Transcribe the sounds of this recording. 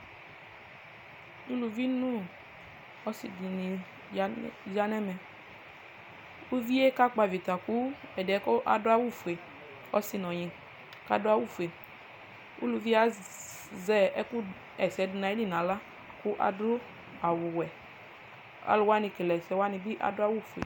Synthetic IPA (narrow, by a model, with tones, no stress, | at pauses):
u˦lu˨vi˦nu˦ | ɔ˦si˨di˨ni˨˦ | za˦nɛ˦mɛ˨ | u˦vi˦e˦ka˦k͡pa˨vi˨ta˨ku˦ɛ˨dɪ˨ɛ˨˦kɔ˦ʔa̰˨dʊ˦a˦wu˦fu˨e˨ | ɔ˦si˦nɔ˨ɲĩ˨ | ka̰˦dʊ˦a˦wu˦˨fu˨e˨ | ṵ˦lu˧vi˦a˨ | zɛ˦ɛ˦ku˦ | ɛ˨sɛ˨˦du˨na˨i˦di˦˨nã˨la˦ | ku˦ʔa̰˨dʊ˦ | a˨wʊ˨wɛ˨ | a̰˨lu˨˦wa˦ni˧˨ke˨lɛ˨sɛ˨˦wa˦ni˨bi˦ʔa̰˨dʊ˦a˦wu˦˨fu˨ḛ˨